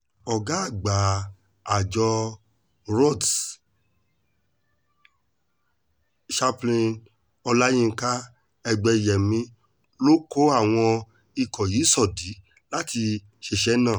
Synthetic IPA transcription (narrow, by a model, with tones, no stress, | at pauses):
ɔ˨ɡa˨˦a˦˨ɡ͡ba˨ | a˨d͡ʒɔ˧ | ɾɔ˦˨d | ʃa˦plĩ˧n | ɔ˧la˦jĩ˦˧˦ka˦ | ɛ˧ɡ͡bɛ˧i˨jɛ˨mĩ˧˦ | lo˦ko˦a˦˨w̃ɔ̃˧ | i˦˨kɔ˨ji˨˦sɔ˦˨di˨˦ | la˦ti˧ | ʃe˧ʃɛ˦nãː˦˨